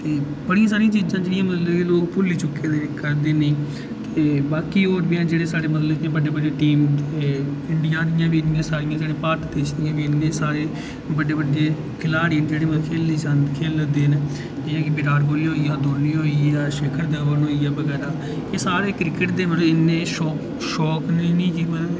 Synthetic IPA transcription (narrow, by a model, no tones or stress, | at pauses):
t̪eː | bəɽijãːs̬aːɾijãːt͡ʃiːd͡ʒãːd͡ʒeːɽɪjãːmət̪ləbiːloːkpʊliːt͡ʃʊkːeːd̪eːɪkːəɾd̪eːnĩː | t̪eːbaːkiːoːɾbiãːd͡ʒeːɽeːsaːɽeːmət̪ləbd̪jãːbəɖeːbəɖeːʈiːmeɪɳɖɪjãːd̪ɪjãːʋiːɪnɪjãːsaːɾɪjãːd͡ʒeːɽeːpaːɾʈd̪eːt͡ʃd̪ɪjãːbiːɪnːẽːsaːɾeː | bəɖeːbəɖeː | kʰɪlaːɽiːnd͡ʒeːɽeːməkʰeːliːsãnd̪kʰeːld̪eːn | d͡ʒeãːkibɪɾaːɾkoːliːɦoːiːjãːd̪oːniːɦoːiaːʃekʰəɾd̪əːʋənɦoːiːaːbəɡɛːɾaː | kesaːɾeːkɾɪkəʈd̪eːməlɪnːẽːʃɔː | ʃɔːkneːnĩːd͡ʒiː